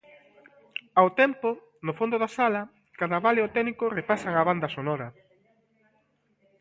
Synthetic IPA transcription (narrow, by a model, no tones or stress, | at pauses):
awt̪ɛmpo | nofond̪ʊðasalɐ | kaðɐβaleot̪ɛnikʊrepasaŋaβand̪ɐsonɔɾɐ